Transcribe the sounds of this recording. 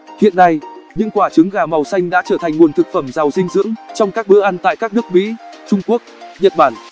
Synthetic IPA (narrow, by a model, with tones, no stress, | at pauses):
hḭ˧˨ənːa˧jɲɨ̰˧˥ŋkwaː˧˩t͡ɕɨ˨˦ŋɣaː˨˩ma˨˩wsa˧jŋ̟ɗa̰ː˧˥t͡ɕəː˧˩t̪a˨˩ŋ̟ŋu˨˩ənt̪ʰɨ˨˩k̚fə˧˩mzaː˨˩wsï˧ŋ̟zɨ̰˧˥ŋt͡ɕɔ˧wŋ͡mkaː˦˥k̚ɓɨ̰˧˥əʔa˧nt̪a̰ː˧˨kaː˦˥k̚nɨ˦˥ək̚mḭ˧˥t͡ɕʊ˧ŋ͡mku˦˥ək̚ɲə̰˧˨t̚ɓaː˧˩n